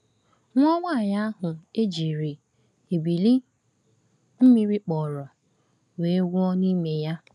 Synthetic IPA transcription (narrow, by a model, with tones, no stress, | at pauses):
ŋʷɔ˦ŋʷa˦˨ɲa˦a˦ɦʊ˨e˦d͡ʒi˨ɾi˨ | e˨bi˨li˦ | m̩˦mi˦ɾi˦k͡pɔ˨ɾɔ˨ | we˨e˦ɡu˦ɔ˦ni˦me˨ja˦